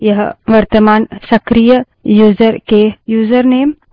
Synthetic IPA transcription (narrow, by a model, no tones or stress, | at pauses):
jɐɦʋɐɾt̪əmaːnsɐkɾijə | juːzəɾkejuːzəɾneːm